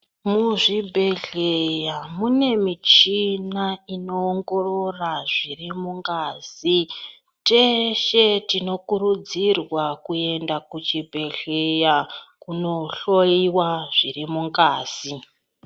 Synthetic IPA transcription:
muʐibʱe̞ɮejamune̞mit͡ʃinaino̞ːŋɡo̞ro̞raʐirimuŋɡaːzi | t͡ʃe̞ʃe̞tino̞kuɾud͡zirwakue̞ndakut͡ʃibʱe̞ɮejakuno̞ɬo̞iwaʐ̥irimuŋɡaːzi

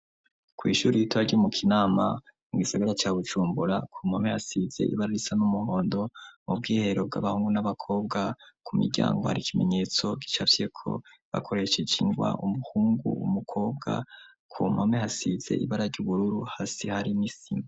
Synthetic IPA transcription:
kwiːʃuːɾijitwaɾɟumukʰinaːmamuɡisaɡaɾat͡ʃaːβud͡ʒuːmbuɾakʰumamehasize̞̰ḭβaɾaɾisanumuho̞ːndo̞mub̚ɡiːhe̞ɾo̞b̚ɡa̰βahuːŋɡunaβakʰo̞ːbɡakumḭɾɟa̰ːŋɡoha̰ɾikʰime̞̰ɲe̞ːt͡so̞ɡi̥t͡ʃafjekʰo̞̰βa̰kʰo̞ɾe̞ʃed͡ʒiŋɡwa̰ʔumuhuːŋɡṵṵmukʰo̞ːbɡa̰ | kʰumamehasiz̥e̞̰ʔiβaɾaɾɟuβuɾuɾuhasihaɾinisim

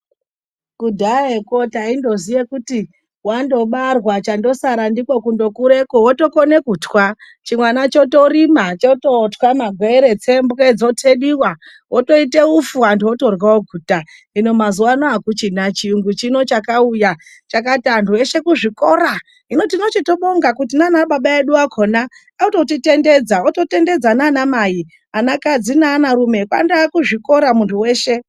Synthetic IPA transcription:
kudʱaeko̞taindo̞zijekuti | wando̞ɓarwat͡ʃando̞saɾandikwokundo̞kuɾe̞kowoto̞kone̞kutwa | t͡ʃimwanat͡ʃo̞to̞rimat͡ʃoto̞twamaɡʱweeɾet͡sembuked͡zo̞tʰe̞ɗiwa | wʔoto̞ite̞ufuandiwoto̞rwaoɡʱuːta | ino̞mazuanoakut͡ʃinat͡ʃiuŋɡut͡ʃino̞t͡ʃakauja | t͡ʃak̬atantʰue̞ʃe̞kuʐiko̞ɾa | ino̞tino̞t͡ʃito̞ɓoŋɡakutinanaɓaɓae̞ɗuakʰo̞na | auto̞tite̞nde̞d͡zaoto̞te̞nde̞d͡zananamaji | anakad͡zinaːnaɾume̞kwa̰ndakuʐiko̞ɾamuntʰuwe̞ːʃe̞

